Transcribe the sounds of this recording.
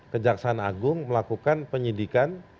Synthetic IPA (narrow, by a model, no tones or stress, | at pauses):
kəd͡ʒaksanaɡʊŋməlakukanpəɲidikan